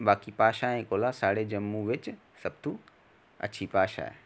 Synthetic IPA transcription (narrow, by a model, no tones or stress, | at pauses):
ɓaːkipaːʃaɦɛ̃ːkoːlasaːɽed͡ʒɐmːũʋɪt͡ʃ | sɐb̚t̪ʰũ | ɐ̰t͡ɕʰipaːʃa̰ḛ